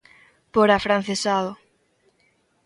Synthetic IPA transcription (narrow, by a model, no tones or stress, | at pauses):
poɾafɾan̟θesaðʊ